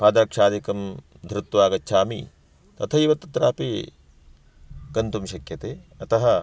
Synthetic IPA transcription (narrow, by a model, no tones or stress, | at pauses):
paːd̪ɐɾɐkʂaːd̪ikɐm | d̪ʱɾut̪ːʋaːɡɐtːʃʰaːmḭ | t̪ɐt̪ʰɐiʋɐt̪ːɐt̪ɾaːpi | kɐnt̪umʃɐkjɐt̪eːɐt̪ɐɦɐ